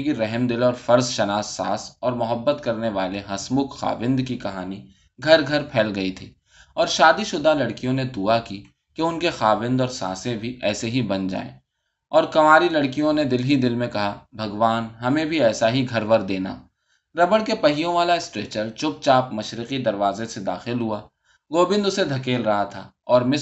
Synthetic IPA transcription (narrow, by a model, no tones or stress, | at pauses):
kiɾɛɦmd̪ɪlɔːɾfɐɾzʃɐnaːsːa̰ːsɔːɾmʊɦəbːət̪kɐɾneʋaːleɦɐsmʊkxa̰ːʋɪ̃nd̪kikɐɦaːni | ɡʱɐɾɡʱɐɾpʰɛːlɡɐit̪ʰiː | ɔːɾʃaːd̪iʃʊd̪alɐɽkijõned̪ʊaki | keʊnkexaːʋɪ̃nd̪ɔːɾsã̰ːsẽbʱiʔɛːseɦibɐnd͡ʒa̰ːḛ̃ː | ɔːɾkɐmaːɾilɐɽkijõned̪ɪlɦid̪ɪlmẽkɐɦabʱɐɡʋaːnɦɐmẽbʱiɛːsaɦiɡʱɐɾʋəɾd̪eːna̰ː | ɾɐbəɽkepɐɦijõʋaːlaɪsʈɾeːt͡ʃəɾt͡ʃʊp̚t͡ʃaːpmɐʃɾɪqid̪ɐɾʋaːzẽsed̪a̰ːxɪlɦuaː | ɡoːbɪ̃nd̪ʊsed̪ʱɐkeːlɾɐɦat̪ʰa̰ːɔːɾmɪ